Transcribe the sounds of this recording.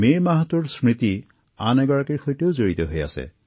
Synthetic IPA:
mejmaɦatuɹsɹit̪i | anɛɡɔɹakiɹxojteʊzoɹit̪ɔɦoja̰sɛ̰

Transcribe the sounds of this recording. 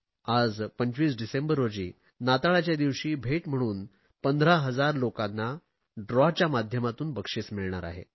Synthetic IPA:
ad͡zpəɲt͡ɕʋiːsɖisembəɾːod͡ʑiː | nat̪aɭat͡ɕjad̪iʋɕiːbʱeʈm̤əɽ̃uːn | pənd̪ʱɾaɦəd͡zaɾlokanːa | ɖɾɔt͡ɕjamad̪ʱjəmat̪uːnbəkʂiːsmiɭɳaɾa̰ɦḛ

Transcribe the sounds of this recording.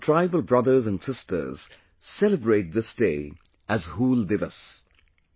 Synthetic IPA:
tʰɹ̥aɪbəl̩ˠbɹʌðə˞zə̃nsɪstʰə̰˞z̥ | sɛləbɹeɪt̚ðɪsd̥eɪ | ʔɨzhulˠdɪvəs

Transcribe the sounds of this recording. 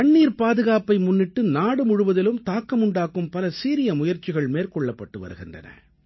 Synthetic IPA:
kɐɳːiːɾpaːðɯɣaːpɐɪmʊnːɪʈːɯnaːɽɯmʊɻʊʋɐðɪlɯmt̪aːkːɐmʊɳɖaːkɯmpɐlɐsiːɾɪjɐmʊjɐɾt͡ʃɪɣɐɭmeːɾkɔɭːɐpːɐʈːɯʋɐ̰ɾɯɣɪndrɐ̰nɐ̰

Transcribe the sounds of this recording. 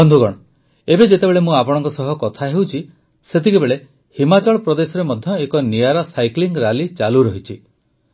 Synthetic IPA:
ɔnd̪ʱuɡɔɽ̃ɔ | ebed͡ʒet̪ebeɭemũapɔɽ̃ɔŋkɔsɔɦɔkɔt̪ʰaɦewt͡ʃʰi | set̪ʰikebeɭe | himat͡ʃɔɭɔpɾɔd̪esɔɾemɔd̪ʱjɔekɔniaɾɔsajkliŋɡɾalit͡ʃaluɾɔɦit͡ʃʰi

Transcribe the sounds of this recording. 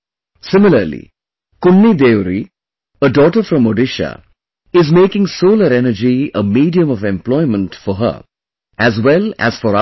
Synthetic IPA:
sɪmɪləɾlḭ | kʊnːid̪eːʋɾi | əɖɔːʈəɾfɾʌ̃moɖɪʃa̰ | ɪzmeːkɪ̃ŋsoːləɾɛnəd͡ʒiəmiːɖiə̃mɔʋɛ̃mplɔɪmə̃nʈfɔɦə̰ | æzwɛlæ̰z̥fɔɾa

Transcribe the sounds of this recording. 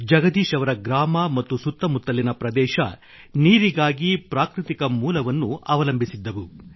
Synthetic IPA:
d͡ʒɐɡɐd̪iːʃɐʋɐɾɐɡɾaːmɐmɐt̪ːusut̪ːɐmut̪ːɐlinɐpɾɐd̪ɛːʃɐ̰ | niːɾiɡaːɡipɾaːkɾit̪ikɐmuːlɐʋɐnːuɐʋɐlɐmbʱisid̪ːɐʋu

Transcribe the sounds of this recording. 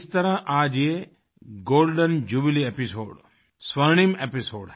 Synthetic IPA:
st̪ɐɾɐʔaːd͡ʒe | ɡoːlɖɐnd͡ʒubiliepisoːɖ | sʋɐɳ̃imepiso̰ːɖ

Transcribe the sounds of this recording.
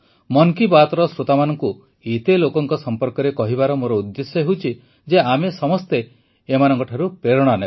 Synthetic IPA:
mɔŋkibat̪ɔɾɔsɾot̪amanɔŋku | et̪elokɔŋkɔsɔmpɔɾkɔɾekɔɦibaɾɔmoɾɔud̪ːesɔɦewt͡ʃʰi | d͡ʒeamesɔmɔst̪eː | manɔŋkɔʈʰaɾupɾeɾɔɽ̃ane

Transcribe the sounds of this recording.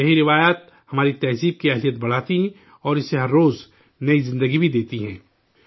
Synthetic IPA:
jɐɦiɾɪʋaːjaːt̪ | hɐmaːɾit̪ɛːziːb̚kiɐɦlijət̪bɐɽ̤aːt̪iɦɛ̃ | ɔːɾɪseɦɐɾːoːz | nɐizɪ̃nd̪əɡibʱid̪eːt̪iɦɛ̃ː

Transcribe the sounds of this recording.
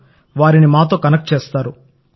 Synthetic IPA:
ʋaːɾinimaːt̪o̞ːkɐnɐk̚ʈ̚t͡ʃeːst̪aːɾu

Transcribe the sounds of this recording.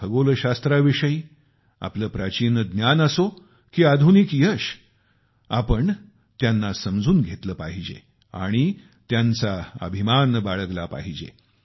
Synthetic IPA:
bəɡoləɕast̪ɾaʋiʂəi | a̰pləːpɾat͡ɕiːnəd̪njanəso | kiːad̪ʱunikijəɕ | apəɳ | t̪janːasəmd͡zuːnɡʱet̪ləːpaɦid͡ʑḛ | a̰ɽ̃i | t̪jãnt͡saə̰bʱimanbaɭəɡlapa̰ɦid͡ʑḛ

